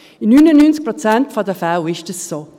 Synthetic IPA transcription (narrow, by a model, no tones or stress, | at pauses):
inynənynt͡sk̚pɾɔt͡sɛntfɔdəfawɪʃdəsːoː